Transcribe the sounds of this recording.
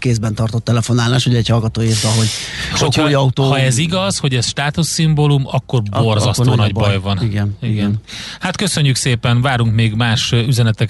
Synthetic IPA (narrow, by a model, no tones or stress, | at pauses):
keːzbɛnt̪ɒrt̪o̞t̪ːɛlɛfo̞naːlaːʃuɟɛchɒlɡɒt̪oːjeːrzɛɦo̞ɟ | ʃocʰɒjiɒut̪oːhɒɛziɡɒzho̞ɟɛzʃt̪aːt̪usːimbolumɒkːo̞rbo̞rzɒst̪oːnɒɟbbɒjvɒniɡɛniɡɛnhat̪kø̞søɲːykseːpɛnvaːɾuŋkmeːɡmaːʃyzɛnɛt̪ɛk